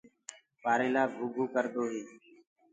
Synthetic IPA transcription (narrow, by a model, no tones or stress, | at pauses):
paːɾeːlaːʊɡʱuːkəɾd̪oːɦiː